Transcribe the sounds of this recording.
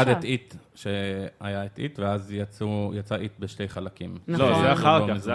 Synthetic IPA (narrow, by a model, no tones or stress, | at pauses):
ad̪etit̪ʃeajaet̪ḭt̪veazjat͡sujat͡saʔit̪beʃte̞jχalakimlozeaχaʁamiz